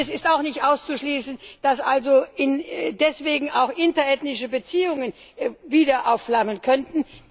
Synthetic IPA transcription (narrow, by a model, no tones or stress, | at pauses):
ɛsɪstaʊxnɪçtʔaʊst͡suʃliːsn̩d̥asʔalzoɪndɛsv̥eːɡŋ̩aʊxʔɪntɐɛtnɪʃəbət͡siːʊŋən | viːdɐʔaʊflamənkʰœntn̩